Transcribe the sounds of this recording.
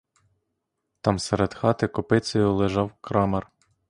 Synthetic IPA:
t̪ɑmseɾed̪xɑt̪ɪkɔpɪt͡sʲɔjʊlˠɪʒɑwkɾɑmɐr

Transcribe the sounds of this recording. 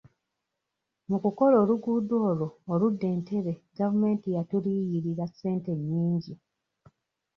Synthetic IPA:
mukuko̞lo̞ːluɡudo̞ːlo̞ːludːe̞ːnte̞βe̞ɡavume̞ːntijatuliːjiɾiɾḁse̞ːnte̞ɲːiːɲɟi

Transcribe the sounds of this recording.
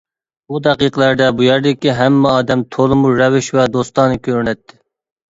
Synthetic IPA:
bud̪ɛqiqəlˠæɾd̪ɛbujɛɾd̪ɪkʲiɦɛmːɛɑːd̪ɛmt̪ʰolˠɨmuɾɛvɪʃvɛd̪ost̪ɑːnɨkʲʰøɾnɛt̪ʰːɪ

